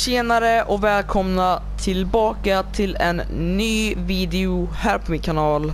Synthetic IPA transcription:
seːnaɾəʔɔkvɛːlkʰɔmna | t̪ʰɪlbɑːkat̪ʰɪlɛnːyːviːd̪ɛʊhæːɾpʰɔmɪnkʰanɑːl

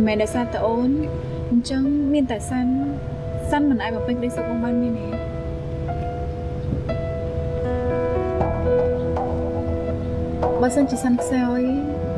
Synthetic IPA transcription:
mɛːnɗɔsaːt̪aʔoːn | ɲt͡ɕəŋmiənt̪asan | sanmɨnʔaːc̚ɓɑmpɨɲŋkəɗəjsuːk̚maŋɓaːnmiəneː | ɓaːsənt͡ɕiəsankʰsaəj

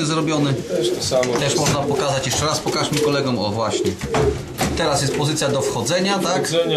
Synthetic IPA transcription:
zɾɔbʲjɔnɘɛt̪ɔsamt̪ɛʂmɔʐnapɔkazat͡ɕjɛʂt͡ʂɛɾaspɔkaʂmʲikɔlɛɡɔmɔ̰vwaɕɲɛ | t̪ɛɾasjɛst̪̚pɔzɘt̪sʲjad̪ɔfxɔd̪zɛɲat̪ak

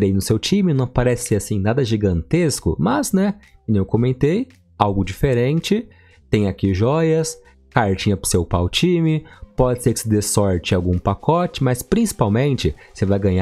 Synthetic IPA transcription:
ɾejnʊsewt͡ʃĩmɪnɐ̃w̃paɾɛsɪasĩnad̪ɐʒiɡɐ̃nt̪eskʊ̰mɐznɛnẽwkomẽnt̪ej | awɡʊd͡ʒifeɾẽnt͡ʃɪ | t̪ẽj̃akiʒɔjɐs | kaɾt͡ʃĩɲɐpɾʊ̥sewpawt͡ʃĩmɪpɔd͡ʒɪseɾkɪ̥sɪd̪esɔɾt͡ʃɪawɡũpakʰɔt͡ʃɪmɐspɾĩsi̥pawmẽnt͡ʃɪsevajɡɐ̃ɲa

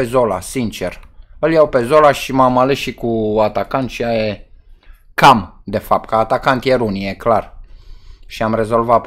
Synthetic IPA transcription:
ezolasint͡ʃe̞rəljawpe̞zolaʃimamalesʃikuat̪akant̪ʃiaje | kamd̪efap̚t̪̚kəːt̪akant̪jeɾunijeklar | ʃiamre̞zo̞lva

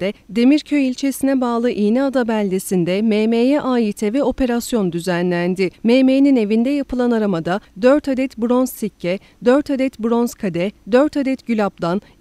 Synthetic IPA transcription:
d̪ɛd̪e̞miɾcʰøjilʲt͡ʃʰe̞sinɛbaːlˠɯʔiːnɛad̪abælʲd̪esind̪ɛmeːmeːjɛʔaːjit̪ʰɛvɛo̞pʰe̞ɾasjo̞nd̪yzænlʲænd̪ɪmeːmejnine̞vind̪ɛjapʰɯlˠanaɾamad̪ad̪øɾt̪ʰad̪ɛt̪bɾo̞nzsicʰːɛ | d̪øɾt̪ʰad̪ɛt̪bɾo̞nzkʰad̪ɛd̪ø̞ɾt̪ʰad̪ɛt̪ɟylʲapd̪ˠan

